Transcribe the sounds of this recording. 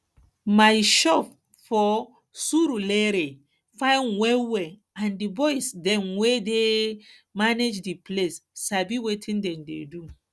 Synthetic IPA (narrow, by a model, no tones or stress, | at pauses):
majʃɔp | fɔ | suɾulɛɾe | fãjnwɛlwɛ | ãndibɔjsdɛ̃mwede | maned͡ʒdiplessabiwetʰĩndɛ̃mdḛdu